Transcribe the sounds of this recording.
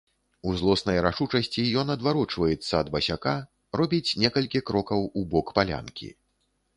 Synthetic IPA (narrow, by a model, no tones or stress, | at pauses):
uzlˠɔsnɐjɾaʂut͡ʂɐsʲt͡sʲijɔnɐd̪vaɾɔt͡ʂvɐjɛt̪sːɐːd̪bɐsʲaka | rɔbʲit͡sʲnʲɛkɐlʲkʲikɾɔkɐwubɔkpalʲa̰nkʲḭ